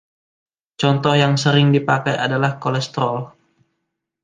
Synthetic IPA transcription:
t͡ʃɔnt̪ɔhjaŋsəɾɪŋdipakajadalahkolɛst̪ɾɔl

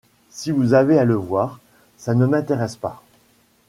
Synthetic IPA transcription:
sivuzavealəvwaːʁ | sanəmɛ̃t̪eʁɛspa

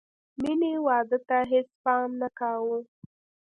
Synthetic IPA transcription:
minewɑd̪ət̪aɦespɑmnakɑwu

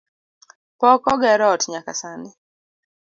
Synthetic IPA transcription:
pɔkɔɡɛɾɔtɲaka̰sanɪ

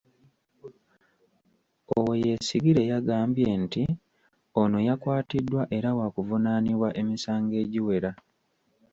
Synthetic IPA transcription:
oweje̞siɡiɾe̞jaɡaːmbje̞nti | ono̞jakwaːtidːwaʔe̞ɾawakuvunaniβwaʔe̞misaːŋɡe̞ːɟiwe̞ɾa

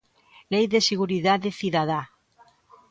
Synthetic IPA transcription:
lejðeseɣ̞uɾiðaðeθiðaða

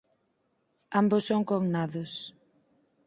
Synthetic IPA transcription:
ambʊsːoŋkoŋnaðʊs

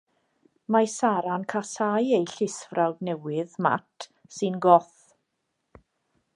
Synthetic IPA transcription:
masaɾankʰasajejɬɪsvrawdnɛwɪðma̰tʰ | sɨnɡɔθ

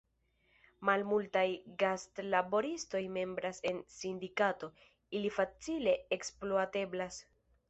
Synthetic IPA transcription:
malmultajɡastlabo̞ɾisto̞jme̞mbɾase̞nsindikato̞ | ilifat͡sile̞eksploate̞blas

